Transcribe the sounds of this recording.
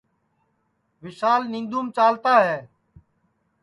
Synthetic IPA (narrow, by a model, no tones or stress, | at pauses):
ʋɪʃaːlnĩːnd̪uːmt͡ʃaːlt̪aːɦɛː